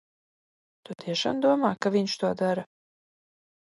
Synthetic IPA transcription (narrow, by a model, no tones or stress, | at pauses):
t̪ut̪iɛʃa̰md̪uɔmaːkaviɲʃt̪uɔd̪aɾa